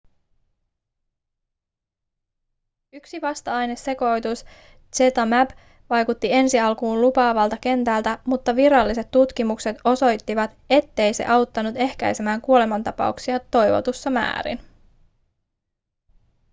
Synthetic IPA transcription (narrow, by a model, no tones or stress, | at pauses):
yksiʋɑst̪ɑɑjne̞se̞ko̞jt̪us | t͡ʃet̪ɑmæb | ʋɑjkut̪ːie̞nsiɑlkuːnlupɑːʋɑlt̪ɑke̞nt̪ælt̪æmut̪ːɑʋiɾɑlːise̞t̪ːut̪kimukse̞t̪o̞so̞jt̪ːiʋɑt̪e̞t̪ːe̞jse̞̰ʔɑwt̪ːɑnut̪e̞hkæ̰jse̞mæːŋkuole̞mɑnt̪ɑpɑ̰uksiɑt̪o̞jʋo̞̰t̪usːɑmæ̰ːɾḭn